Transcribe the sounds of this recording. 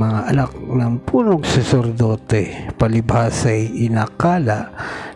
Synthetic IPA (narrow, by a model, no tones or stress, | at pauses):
mɐŋaʔɐlak̚nɐŋpuːnoɡsɛsɛɾd̪oːt̪ɛpɐlɪbaːsajʔɪnaːkaːlaʔ